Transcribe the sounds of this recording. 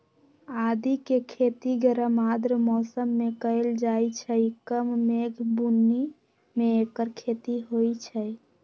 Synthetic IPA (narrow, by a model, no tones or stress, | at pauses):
ad̪ikekʰet̪iɡəɾəmad̪ɾmɔsəmːekəeld͡ʒajt͡ʃʰəikəmːeɡʱbunːi | meekəɾkʰet̪iɦojt͡ʃʰɛ